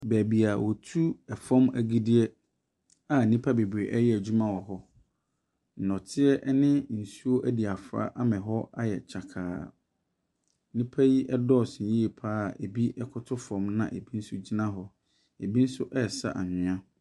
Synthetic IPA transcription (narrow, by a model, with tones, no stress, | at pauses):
bæː˨bi˨a˨wʔɔ˨tʰu˦ɛ˨fɔ̃˦mæ̰˨ɡi˦dɪ˦ɛ˦ | a˨nĩ˦pʰa˦be˨bɾe˨ʔɛ˦jɛ˦æ˨d͡ʑᶣu˦mã˦wɔ˨ɦɔ˦˨ | nɔ̃˨tʰɪ˦ɛ˦ʔnɪ̃˦n̩˨su˦o˦ʔæ˦di˨a˨fɾa̰˦ʔa˦mɛ̃˨ɦɔ˦a˦jɛ̰˨t͡ɕʰa˨kʰa̰ː˨˦ | nĩ˦pʰa˦ji˦ʔɛ˦dɔ˦˨sji˦e˨pʰaː˦˨e˨bi˦ʔɛ˦kʰʊ˦tʰʊ˦fɔ̃˨mnã̰˨ʔe˨bi˦n̩˦sʊ˦d͡ʑi˦nã˦ɦɔ˦ | e˨bi˦n̩˦sʊ˦ʔɛ˦˨sa̰˦ʔa˨ɲɪ̃˨ã˦